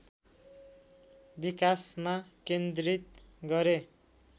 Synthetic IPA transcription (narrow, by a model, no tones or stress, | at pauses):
bikasmakend̪ɾit̪̚ | ɡʌɾe